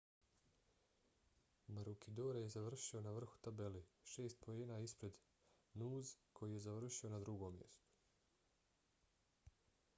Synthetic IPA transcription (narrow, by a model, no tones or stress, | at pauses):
maɾukid̪oːɾajezaʋr̩ʃio̞naʋr̩xu̥t̪abe̞leʃe̞ːst̪̚po̞jeːnaispɾe̞d̪ | nuːzkʰo̞jije̞zaʋr̩ʃio̞nad̪ɾuɡo̞mje̞̰st̪u̥